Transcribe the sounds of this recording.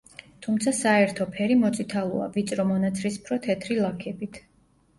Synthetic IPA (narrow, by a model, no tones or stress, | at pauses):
t̪ʰumt̪sʰasaɛɾt̪ʰɔpʰɛɾimɔt̪sʼit̪ʰalˠua̰vit̪sʼɾɔmɔnat̪sʰɾispʰɾɔt̪ʰɛt̪ʰɾilˠakʰɛbit̪ʰ